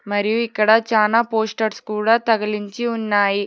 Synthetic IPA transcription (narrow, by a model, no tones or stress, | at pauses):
mɐɾijuikːɐɽɐt͡ʃaːlaːpoːsʈɐɾskuːɽaːt̪ɐɡɐliɲt͡ʃiunːaːji